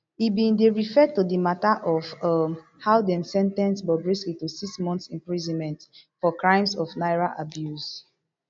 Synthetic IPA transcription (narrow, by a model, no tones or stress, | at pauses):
ibĩndeɹifɛtudimataʔɔfʌm | haʊdɛ̃nsɛ̃ntɛ̃nsbɔbɹislitusiksmɔ̃nθsĩmpɹizɔ̃nmɛ̃ntfɔkɹãɪ̃msɔfnaɪɹaʔabjus